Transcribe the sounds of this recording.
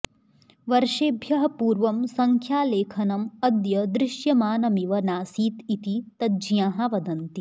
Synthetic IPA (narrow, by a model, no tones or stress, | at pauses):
ʋɐɾʃeːbʱjɐɦɐ̆puːɾʋɐmsɐŋkʰjaːleːkʰɐnɐmɐd̪jɐd̪ɾɪʃjɐmaːnɐmiʋɐnaːsiːt̪it̪it̪ɐd͡ʒjaːɦɐʋɐd̪ɐnt̪i